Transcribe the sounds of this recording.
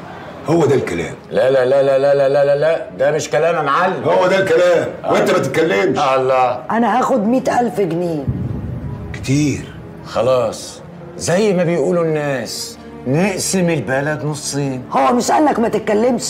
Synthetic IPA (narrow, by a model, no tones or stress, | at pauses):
howːæd̪ælkælæ̰ːmlælælælælælælælælæʔd̪æmɪʃkælæːmamaʕalːmhowːæd̪ælkælæːmʔwʔent̪æmæt̪ɪt̪kælːemʃɑlːæʔænæhæxʊd̪miːt̪ʔælfɡniː | kt̪iːɾ | xɑlɑːsˤ | zæjːmabɪjʔuːlunːæːs | nɪʔsɪmɪlbælad̪nosˤːiːnhowːæmɪʃʔænːækmæt̪ɪt̪̚kːælːemʃ